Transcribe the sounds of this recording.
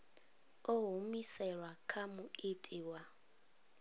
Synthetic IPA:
oɦumisɛɺwakʰamuitʼiwa

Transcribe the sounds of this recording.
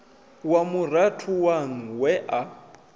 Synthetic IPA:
wamuratʰuwan̩wɛʔa

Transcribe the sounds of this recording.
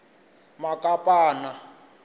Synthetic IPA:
makʼapʼaːna

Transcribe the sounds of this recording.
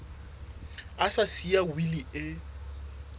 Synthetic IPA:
asasiawiliɪ

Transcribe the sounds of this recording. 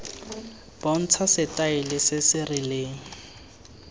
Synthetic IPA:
b̥ɔn̩t͡sʰasɪtʼaɪlɪsɪsɪrɪleːŋ̩

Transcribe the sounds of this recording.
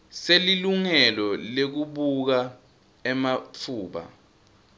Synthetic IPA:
seliluŋɛlɔlek̬uɓuk̬a | ɛmat͡fʰuːɓa̰

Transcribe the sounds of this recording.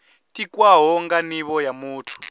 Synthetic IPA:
tikwaɦɔŋɡaniβɔjamuːtʰu̥

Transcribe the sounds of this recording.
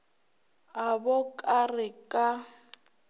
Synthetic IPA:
ɦabɔkʼarɪkʼa

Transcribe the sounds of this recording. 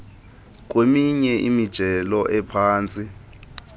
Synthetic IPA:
k̬ʼwemiɲɛʔimid̥ʒ̥ʱɛlɔʔɛpʰaːnt͡sʼi

